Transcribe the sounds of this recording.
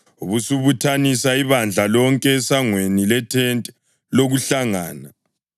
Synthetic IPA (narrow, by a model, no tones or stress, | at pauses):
uβusuβutʰanisaiβand͡ɮʱalɔŋkʼɛːsaŋwenilɛtʰɛntʼɛ | loɣuɬaŋaːna